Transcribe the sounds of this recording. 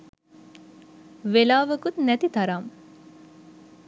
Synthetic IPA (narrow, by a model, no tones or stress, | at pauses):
ʋelaːʋɐkut̪næt̪it̪ɐɾaːm